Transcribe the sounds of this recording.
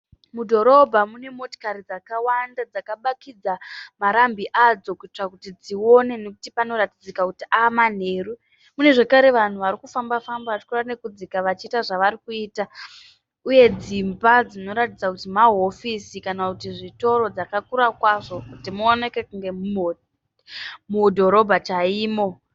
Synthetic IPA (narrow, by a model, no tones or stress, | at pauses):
mudʱo̞ɾo̞bʱamune̞mo̞to̥kaɾid͡zakawandad͡zakaɓakid͡zamaɾambiʔad͡zo̞kuit͡ʂakutid͡ziwo̞ne̞ne̞kutipano̞ɾatid͡zikakutiʔaːman̤e̞ːru | mune̞ʐekaɾe̞ʋan̤uʋaɾikufambafambaat͡ʃi̥korane̞kud͡zikaʋat͡ʃiːtaʐaʋaɾikuiːta | uje̞d͡zimbad͡zino̞ɾatid͡zakutimaɦo̞fisikanakutiʐito̞ɾo̞d͡zakakuɾakwaʐo̞kutimuone̞ke̞kuŋɡe̞ | mudʱo̞ɾo̞bʱat͡ʃaiːmo̞